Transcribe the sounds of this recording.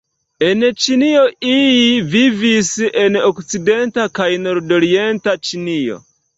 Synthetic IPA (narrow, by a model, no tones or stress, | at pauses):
ent͡ʃinio̞ilivivisenokt͡side̞ntakajno̞ɾdoɾientat͡ʃinio̰